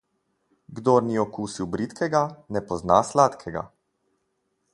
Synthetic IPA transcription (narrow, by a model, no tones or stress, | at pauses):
ɡd̪oɾniɔkuːsiwbɾit̪kɛɡanɛpɔzna̰ːslat̪kʰɛɡa̰